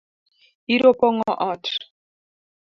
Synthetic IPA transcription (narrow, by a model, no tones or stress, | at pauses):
iɾopɔŋɔʔɔt